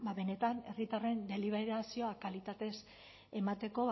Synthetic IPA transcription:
baβe̞net̪ane̞rit̪are̞nd̪e̞liβ̞e̞ɾasio̞akalit̪at̪e̞s | e̞mat̪e̞ko̞β

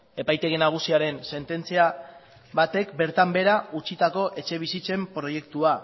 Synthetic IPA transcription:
e̞pajt̪e̞ɣenaɣ̞usiaɾe̞nse̞nt̪e̞nt͡sia | βat̪e̞kbe̞ɾt̪ambe̞ɾaut͡ʃit̪ako̞ʔe̞t͡ʃe̞β̞isit͡se̞mpɾo̞je̞k̚t̪ua

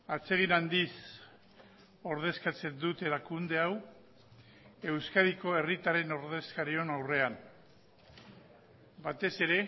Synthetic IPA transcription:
at͡se̞ɣ̞inand̪is | o̞ɾð̞e̞skat͡se̞nd̪ut̪e̞ɾakund̪e̞aw | e̞wskaðiko̞e̞rit̪aɾe̞no̞ɾðe̞skaɾio̞nawre̞an | bat̪e̞se̞ɾe̞

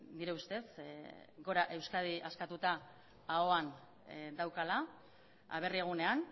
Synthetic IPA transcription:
d̪iɾeust̪e̞sɡo̞ɾaʔe̞wskað̞iʔaskat̪ut̪aː | o̞an | d̪awkala | a̰β̞e̞rie̞ɣ̞une̞an

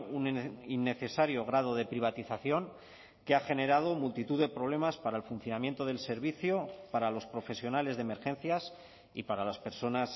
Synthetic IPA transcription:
uninːe̞θe̞saɾjo̞ɣ̞ɾað̞o̞ð̞e̞pɾiβ̞at̪iθaθjo̞ŋ | ke̞axe̞ne̞ɾað̞o̞mult̪it̪uðe̞pɾo̞β̞le̞maspaɾaelfunθjo̞namje̞nt̪o̞ð̞e̞lse̞ɾβiθjo̞paɾalo̞spɾo̞fe̞sjo̞nale̞zðeme̞ɾxe̞n̟θjas | ḭpaɾalaspe̞ɾso̞nas

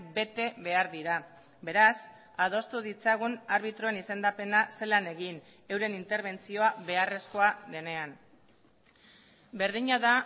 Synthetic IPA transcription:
be̞t̪e̞βe̞aɾðiɾa | be̞ɾas | að̞o̞st̪uð̞it͡saɣ̞unaɾβ̞it̪ɾo̞enise̞nd̪ape̞nase̞lane̞ɣin | e̞wɾe̞nint̪e̞ɾβ̞e̞nt͡sio̞aβe̞are̞sko̞aðe̞ne̞an | be̞ɾðiɲaða

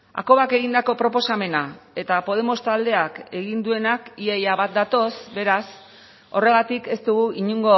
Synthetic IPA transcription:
a̰ko̞βake̞ɣ̞ind̪ako̞pɾo̞po̞same̞nae̞t̪apo̞ð̞e̞mo̞st̪ald̪e̞ake̞ɣind̪ue̞nakiejaβat̪̚d̪at̪o̞sbe̞ɾas | o̞re̞ɣ̞at̪ike̞st̪uɣuʔiɲuŋɡo̞

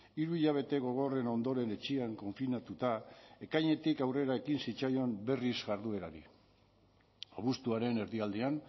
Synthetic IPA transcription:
iɾuiʎaβ̞e̞t̪e̞ɣo̞ɣ̞o̞re̞no̞nd̪o̞ɾe̞ne̞t͡ʃiaŋko̞ɱfinat̪ut̪ae̞kajɲe̞t̪ikawre̞ɾae̞kinsit͡sajo̞mbe̞rizɣaɾðue̞ɾaɾi | oβust̪uaɾe̞ne̞ɾðiald̪ian

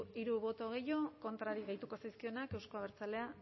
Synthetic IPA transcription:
iɾuβo̞t̪o̞ɣ̞ejo̞ko̞nt̪ɾaɾiɣejt̪uko̞sajskio̞nake̞wsko̞aβe̞ɾt͡sale̞a

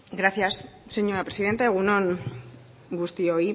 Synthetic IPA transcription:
ɡɾaθjas | seɲoɾapɾesiðe̞nt̪eɣunõŋ | ɡust̪ioi

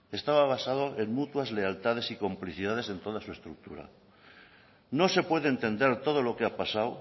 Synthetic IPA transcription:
e̞st̪aβaβ̞asað̞o̞ʔe̞ŋmut̪wazle̞alt̪að̞e̞siko̞mpliθiðaðe̞se̞nt̪o̞ð̞asue̞st̪ɾuk̚t̪uɾa̰ | no̞se̞pwe̞ðent̪e̞nd̪e̞ɾt̪o̞ð̞o̞lo̞keapasaw

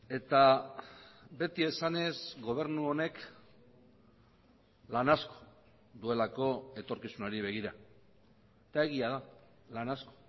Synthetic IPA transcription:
e̞t̪a | be̞t̪ie̞sane̞zɡo̞β̞e̞ɾnuo̞ne̞k | lanasko̥ | d̪ue̞lako̞e̞t̪o̞ɾkisunaɾiβ̞e̞ɣ̞iɾa | et̪ae̞ɣiaða | lanasko̥

